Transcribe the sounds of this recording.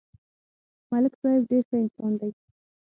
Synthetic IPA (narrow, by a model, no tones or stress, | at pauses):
malɪkzɑjɪbɖeɾxəɪnsɑnd̪aj